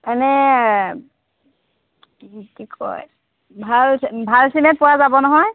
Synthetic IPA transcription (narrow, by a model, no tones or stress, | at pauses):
ɛnɛ | kikʰɔ̰j | bʱalbʱalsimɛt̚pʊwazabɔnɔɦɔj